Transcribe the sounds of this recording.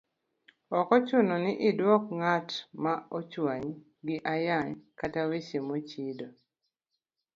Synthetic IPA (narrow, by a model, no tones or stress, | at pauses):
ɔkɔt͡ʃʊnɔnɪʔɪdwɔkŋatmaot͡ʃwaɲ | ɡɪʔajaɲkatawet͡ʃemot͡ʃido